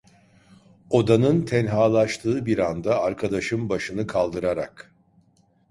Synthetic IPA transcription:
o̞d̪anɯnt̪ʰɛnɦaːlˠaʃt̪ʰɯːbiɾand̪aːɾkʰad̪aʃɯmbaʃɯnɯkʰalˠd̪ɯɾaɾa̰k

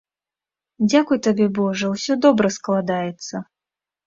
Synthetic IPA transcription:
d͡zʲakujt̪abʲɛbɔʐəwsʲɔd̪ɔbɾɐsklˠad̪ajɛt̪sːɐ

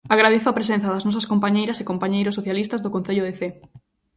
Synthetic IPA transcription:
aɣɾað̞eθoapɾes̬ẽn̟θɐðɐznɔs̬ɐskompaɲejɾɐsekompaɲejɾʊsːoθjalist̪ɐzðokon̟θeʎʊðeθe

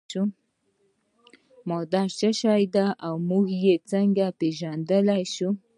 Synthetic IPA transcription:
u | mod̪aɾt͡ʃəʃajd̪aʔawmuhjet͡saŋɡapeʒand̪əlajʃu

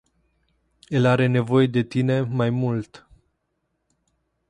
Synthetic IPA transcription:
elaɾe̞ne̞vo̞je̞d̪e̞t̪ine̞majmult̪

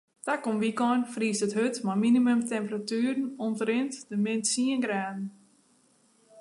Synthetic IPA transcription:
takomʋikɔnfriːstəthøtmaminimømtɛmpəratyːɾn̩ɔntɾɪntdəmɪntsiənɡraːdn̩

